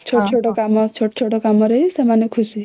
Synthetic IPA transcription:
t͡ʃʰoʈt͡ʃʰoʈokamʌt͡ʃʰoʈo̥t͡ʃʰoʈokamʌɾʌjsamanɔkʰusi

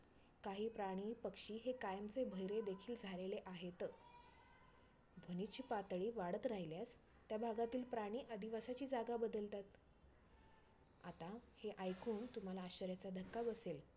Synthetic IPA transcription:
kaɦiːpɾaɽ̃iːpəkʂiːɦekajəmt͡sebʱəjɾed̪ekʰiːld͡zʱaleleʔaɦet̪ə | bʱənit̪t͡ɕʰiːpat̪ɭiːʋaɽət̪ɾaɦiljas | t̪jabʱaɡat̪iːlpɾaɽ̃iːʔəd̪iʋasat͡ɕiːd͡zaɡabəd̪əlt̪at̪ | a̰t̪aheʔajkuːnt̪um̤alaːɕəɾjat͡sad̪ʱəkːabəsel

